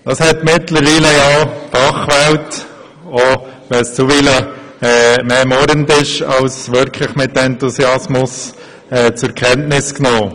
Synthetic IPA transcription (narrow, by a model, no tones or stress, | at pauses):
d̥ɑshɛtmɪtləɾʋiːləjɑfɑχʋælt | oʋɛlst͡suʋilə | ɛːmeːmɔɾəndɪʃɑlsʋʏɾkʰlɪχmɪt̚dɛntusiɑsmʊs | ɛːt͡sʊɾkʰɛntnɪsknoː